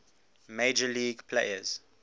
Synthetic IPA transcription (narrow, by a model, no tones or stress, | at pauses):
med͡ʒəliːɡpʰlḛɪəz̥